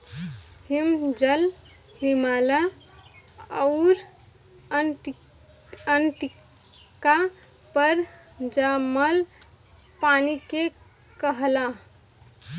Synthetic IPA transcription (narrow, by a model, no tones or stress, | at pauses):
himd͡ʒəl | ɦimala | əʊɾ | ənʈi | ka | pəɾ | d͡ʒaməl | panike | kəɦla